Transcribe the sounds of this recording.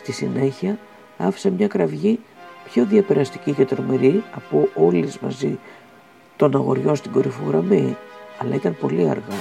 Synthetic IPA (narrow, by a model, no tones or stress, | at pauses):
st̪isine̞çiɐ | ɐfi̥sɐmɲɐkɾɐvʝipço̞ðiɐpeɾɐst̪i̥cicet̪ɾo̞meɾiɐpuolizmɐ̰zi | t̪o̞nɐɣo̞ɾʝo̞st̪iɡo̞ɾifuɣɾɐmiɐlɐit̪ɐmpo̞liɐ̰ɾɣɐ